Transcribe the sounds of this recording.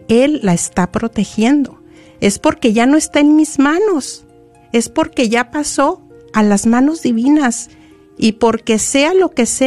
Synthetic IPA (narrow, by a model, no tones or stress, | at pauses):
e̞lːaest̪apɾo̞t̪e̞xje̞nd̪o̞ | e̞spo̞ɾke̞ʝano̞est̪aenmizmãno̞s | e̞spo̞ɾke̞ʝapaso̞ | alazmãno̞zðiβinas | ipo̞ɾke̞se̞alo̞ke̞se